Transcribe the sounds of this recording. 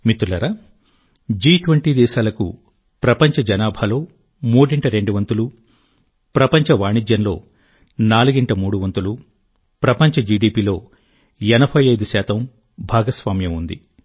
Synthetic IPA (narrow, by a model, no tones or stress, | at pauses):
mit̪ulɐɾɐ | d͡ʒiːʈʋɐɳʈiːd̪ɛːʃaːlɐkṵ | pɾɐpɐɲt͡ʃɐd͡ʒɐnaːbʱalo̞ː | muːɽiɳʈɐɾe̞ɳɖuʋɐnt̪ulu | pɾɐpɐɲt͡ʃɐʋaːɳid͡ʒjɐnlo̞ː | naːluɡiɳʈɐmuːɽuʋɐnt̪ulu | pɾɐpɐɲt͡ʃɐd͡ʒiːɖiːpiːlo̞ː | ɛnɐbʱɐjɐjd̪usaːt̪ɐm | bʱaːɡɐsʋaːmjɐmund̪ḭ